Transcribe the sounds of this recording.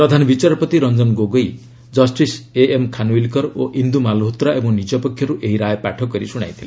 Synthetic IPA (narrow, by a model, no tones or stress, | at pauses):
pɾɔd̪ʱanɔbit͡ʃaɾɔpɔt̪iɾɔnd͡ʒɔnɡoɡoj | d͡ʒɔsʈiseemkʰanuilkɔɾoʔind̪umalɦot̪ɾaʔebɔŋnid͡ʒɔpɔkʰjɔɾuʔeɦiɾajpaʈʰɔkːɔɾisuɽ̃a̰jt̪ʰile